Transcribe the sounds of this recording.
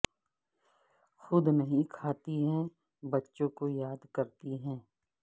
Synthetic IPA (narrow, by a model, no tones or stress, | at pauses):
xʊd̪nɐɦĩkʰaːt̪iɦɛ̃ | bɐtːʃõkojaːd̪kɐɾt̪iɦɛ̃ː